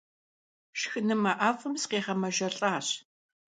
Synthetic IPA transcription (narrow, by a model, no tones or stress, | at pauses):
ʃxɨnɨmɐʔaːfɨmsqeːʁɐmɐʒɐɬʼaːɕ